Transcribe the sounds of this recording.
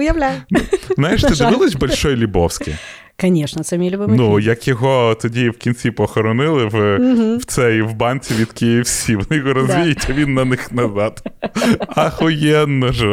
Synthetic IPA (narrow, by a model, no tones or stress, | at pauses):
ʊjɐwlʲæjʊznajɛʃt̪ɪd̪ɪbɪlˠɔsʲbɔlʲʃɔjlʲubɔwsʲkɪ̰j | kɐnʲeʃnɐsɐmʲilʲʊbɪmnujɐkjɔɦɔt̪ɔdʲiwkʲint͡sʲipɔxɔɾɔnɪlˠɪwɦw̥t̪sɛjiwbɑnt͡sʲiʋʲid̪kʲɪjiwsʲiʋɔnɪjɔɣɔɾɔzʋʲijɪtʲɐʋʲinːɐnɪxnɐzɑt̪ | ɐxʊjɛnːɐʒɛ